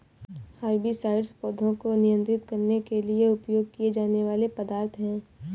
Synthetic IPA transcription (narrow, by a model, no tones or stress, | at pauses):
haɾbʱisaːɪɖspoːd̪ʱõkonɪjə̃nt̪ɾɪt̪kɐɾnekelieʊpjoːɡ̚kijed͡ʒaːneʋaːlepɐd̪aːɾt̪ʰɦɛ̃ː